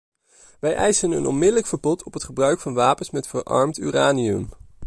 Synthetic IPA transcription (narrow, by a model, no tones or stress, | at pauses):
ʋɛjʔɛjsənə̰nʔɔ̰nmɪdələkfəɹbɔtʰɔpɦətχəbrœɥkfɑnʋaːpənsmɛtfəɹʔɑ̰ɹmty̰ːraːniɵ̰m